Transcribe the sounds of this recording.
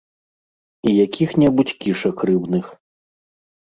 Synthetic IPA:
ijakʲixnʲɛbut͡sʲkʲiʂɐkrɨbnɨx

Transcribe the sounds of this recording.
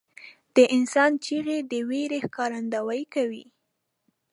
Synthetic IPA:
d̪̥əʔɪnsɑnt͡ʃiɣed̪əweɾehkɑɾand̪awajkawḭ

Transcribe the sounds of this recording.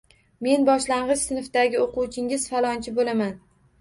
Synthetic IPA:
me̞nbɒʃlaɴʁɨzsɪnfd̪aɡʲɪoquwt͡ʃʰɪŋɪz̥falˠɒnt͡ʃʰɪbolaman

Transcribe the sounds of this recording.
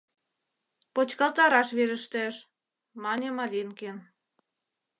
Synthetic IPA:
pot͡ɕkɑlt̪ɑɾɑʃβeɾə̆ʃt̪ĕʃ | mɑnʲĕmɑlʲinken

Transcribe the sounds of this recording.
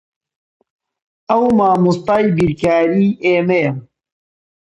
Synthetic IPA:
ɐwmaːmust̪aːjbiɾkaːɾiːeːmejɐ

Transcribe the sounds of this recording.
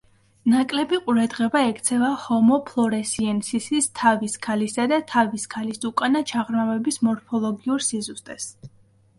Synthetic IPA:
nakʼlɛbiqʼuɾad̪ʁɛbaɛkʰt̪sʰɛvahɔmɔpʰlˠɔɾɛsiɛnsisist̪ʰaviskʰalisad̪at̪ʰaviskʰalisukʼanat͡ʃʰaʁɾmavɛbismɔɾfʰɔlˠɔɡiuɾsizust̪ʼɛs

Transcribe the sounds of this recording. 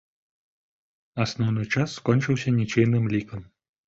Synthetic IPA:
ɐsnɔwnɨjt͡ʂasːkɔnʲt͡ʃɨwsʲɐnʲit͡ʃejnɨmlʲikɐm

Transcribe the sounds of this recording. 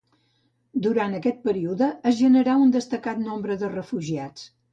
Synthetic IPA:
d̪uɾant̪əkɛt̪̚pəɾiuðəːzʒənəɾaund̪əst̪əkat̪nombɾəðərəfuʒiat͡s

